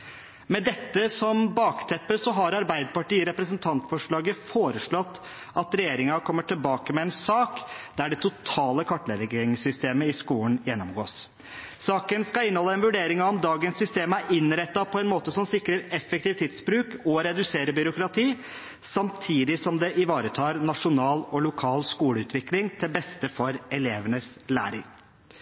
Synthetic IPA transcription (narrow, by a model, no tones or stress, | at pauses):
mɛd̪ɛt̪ːəsɔmbɑːkt̪ʰɛpːəsɔɦɑɾɑɾbæɪd̪əpɑʈiːəɾɛpɾəsənt̪ʰɑnt̪fɔʂɭɑːɡəfoːɾəʂɭɔt̪ː | ɑt̪ɾɛjeːɾɪŋɑkʰɔmːəʈʰɪlbɑːkəmɛɛnsɑːkd̪æɖɛt̪ʰʊt̪ʰɑːləkʰɑʈːɭɛɾɡɪŋsʏst̪eːməɪskuːən̩jɛnːɔmɡo̰ːs | sɑːkənskɑɪnəhɔlːəɛnʋʉɖeːɾɪŋɑɔmd̪ɑːɡənsːʏst̪eːmæɾɪnɾɛt̪ːɑpʰɔɛnmoːt̪əsɔmsɪkɾəɾɛfːək̚t̪iːʋt̪ʰɪd̪sbɾʉːkɔɾɛd̪ʉseːɾəbʏɾʊkɾɑt̪ʰiː | sɑmt̪ʰiːd̪ɪsɔmd̪ɛʔɪʋɑːɾət̪ʰɑːɾnɑʂʊnɑːlɔlʊkʰɑːlskuːləʉːt̪ʰʋɪklɪŋt̪ʰɪlbɛst̪əfɔɾɛleːʋənəslæ̰ːɾɪŋ